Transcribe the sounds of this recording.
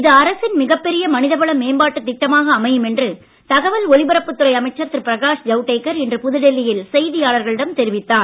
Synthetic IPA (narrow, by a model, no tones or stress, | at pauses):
ɪðɐɐɾɐsɪnmɪɣɐpːɛɾɪjɐmɐnɪðɐbɐɭɐmːeːmbaːʈːɯt̪ːɪk̚ʈːɐmaːɣɐːmɐjɯmɛndrɯ | t̪ɐɣɐʋɐlɔɭɪbɐɾɐpːɯt̪ːɯɾɐɪɐmɐɪt͡ʃːɐɾt̪ːɪɾpɪɾɐɣaːʂd͡ʒɐʊʈːeːkːɐɾɛndrɯpʊðɯɽɛlːɪjɪlsɛjðɪjaːɭɐɾɣɐɭɪɽɐmt̪ɛɾɪʋɪt̪ːaːn